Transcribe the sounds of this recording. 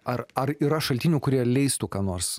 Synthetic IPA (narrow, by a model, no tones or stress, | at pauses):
ɐrɐɾiːɾɐʃɐlʲt̪ʲɪnʲuːkʊɾʲiɛlʲɛɪst̪uːkɑːnoːɾs